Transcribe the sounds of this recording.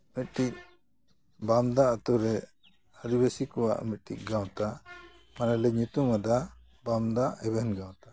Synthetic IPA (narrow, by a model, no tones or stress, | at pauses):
mit̪̚ʈic̚ | bamd̪aat̪uɾɛ | həɾibesikɔwa̰ʔmit̪̚ʈḭc̚ˀɡãwt̪a | manalɛɲut̪umad̪a | bamd̪aɛbɛhnɡãw̃t̪ḁ